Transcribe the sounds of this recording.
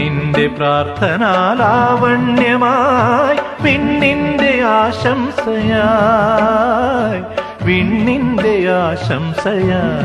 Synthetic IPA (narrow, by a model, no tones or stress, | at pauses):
ind̪epɾaːɾt̪ʰɐnaːlaːʋɐɳjɐmaːj | ʋiɳːind̪eaːʃɐmsɐja | j | ʋiɳːind̪eaːʃɐmsɐjaː